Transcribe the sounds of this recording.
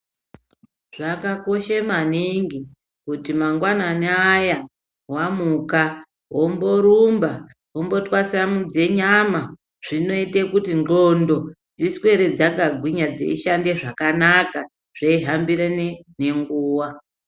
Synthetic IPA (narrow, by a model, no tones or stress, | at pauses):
ʐakako̞ʃemaniŋɡi | kutimaŋɡwananeaja | wamuka | wo̞mbo̞ɾumba | ɦombo̞twasiamud͡ze̞ɲama | ʐ̥ino̞itekutind͡ɮo̞ndo̞ | d͡ziswe̞ɾed͡zakaɡʱwiɲad͡zḛiʃandeʐakanaka | ʐ̥eiɦambiɾenene̞ŋɡuːwa